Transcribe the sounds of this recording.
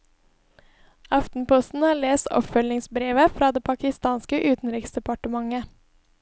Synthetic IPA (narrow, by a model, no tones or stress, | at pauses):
ɑft̪n̩pɔst̪n̩hɑːɭeːst̪ɔ̰pfœlɪŋsbɾeːʋəfɾɑːd̪eːpʰɑkɪst̪ɑːnskəʔʉːt̪n̩ɾɪksd̪ɛpɑʈəmɑŋə